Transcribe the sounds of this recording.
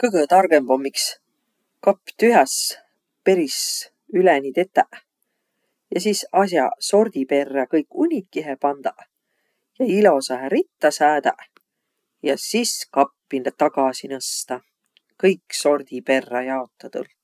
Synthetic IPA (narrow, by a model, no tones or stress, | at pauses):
kɯɡət̪ɑrɡ̥e̞mb̥o̞mːiks | kɑpːˑt̪yɦæs | pe̞ɾis | ylenʲit̪e̞t̪ːæʔ | jɑsiːsɑs̬jɑ̰so̞rd̪̥ipe̞rːɑkɤjkːˑunʲikːiɦepɑnd̪̥ɑ | jɑilo̞sɑɦæɾit̪ːɑsæːd̪̥ɑ | jɑsiskɑpːint̪ɑɡ̥ɑsinɤst̪ɑ | kɤjkso̞rd̪̥ipe̞rːɑjɑo̞t̪ˑːɑt̪ṵl